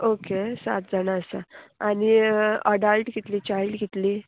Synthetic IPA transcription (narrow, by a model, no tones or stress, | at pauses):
okesa̰t̪̚d͡zanaəsa̰añiəɖəlʈɡit̪liːt͡ɕailɖɡit̪li